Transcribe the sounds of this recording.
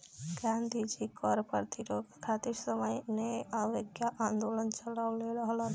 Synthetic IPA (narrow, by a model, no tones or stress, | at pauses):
ɡãnd̪ʱid͡ʒikɔɾpə̰ɾt̪ʰiɾokkʰat̪iɾsəməjneaʋəɡjaʔãnd̪olənt͡ʃəlaʋleɾəɦla